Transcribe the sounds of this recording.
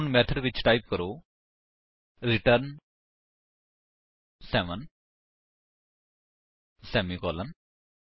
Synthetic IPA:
nmɛt̪ʰəɖʋit͡ʃʈajp̚kəɾoː | ɾiʈəɾn | sɛʋən | sɛmikɔːlən

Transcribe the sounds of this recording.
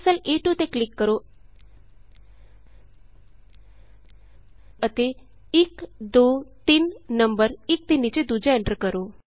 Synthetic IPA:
səleʈut̪eklikːəɾo | ət̪e | ikd̪ot̪iːnnəmbəɾik̚t̪inːit͡ɕed̪ud͡ʑeeɳʈəɾkəɾo

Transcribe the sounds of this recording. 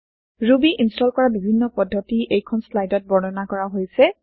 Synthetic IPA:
ɹubiʔinstɔlkɔɹabibʱinːɔpɔdʱːɔtiʔejkʰɔnslajdɔt̚bɔnɔnakɔɹaɦojsɛ

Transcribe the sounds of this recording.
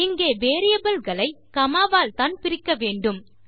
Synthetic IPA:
ɪŋɡeːʋeːɾɪjɐbɐlɣɐɭɐɪkɐmaːʋaːlt̪aːnpɪɾɪkːɐʋeːɳɖɯm

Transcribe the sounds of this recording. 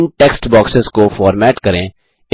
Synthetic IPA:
nʈɛːksʈbɔːksɪzkofaːɾmɛːʈkɐɾẽː | ɪ

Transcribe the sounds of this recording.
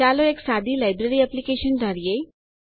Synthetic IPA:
aloeːksad̪ʱilaːjbɾeɾiɛplikeʃəndʱəɾije

